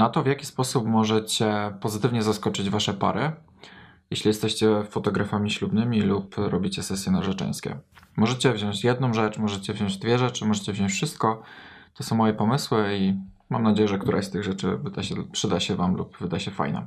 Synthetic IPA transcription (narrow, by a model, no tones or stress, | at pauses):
nat̪ɔvʲjakʲi̥spɔsupmɔʐɛt͡ɕɛpɔzɘt̪ɘvɲɛzaskɔt͡ʂɘd͡ʑvaʂɛpa̰ɾɘ | jɛɕlʲijɛst̪ɛɕt͡ɕɛfɔt̪ɔɡɾafamʲiɕlubnɘmʲilupɾɔbʲit͡ɕɛsɛsʲjɛnaʐɛt͡ʂɛ̰̃j̃skʲɛ̰mɔʐɛt͡ɕɛvʑɔ̃w̃d͡ʑt͡ɕjɛd̪̚nɔ̃w̃ʐɛt͡ʂmɔʐɛt͡ɕɛvʑɔ̃w̃d͡ʑd̪vʲjɛʐɛt͡ʂɘmɔʐɛt͡ɕɛvʑɔ̃t͡ɕfʂɘst̪̚kɔt̪ɔsɔ̃w̃mːɔjɛpɔmɘswɘi | mamnad͡ʑejɛʐɛkt̪uɾʔa̰st̪ɘɣʐɛt͡ʂɘ̰vɘd̪aɕɛpʂɘd̪aɕɛvamlṵpvɘd̪ajɕɛfa̰jnɛ̰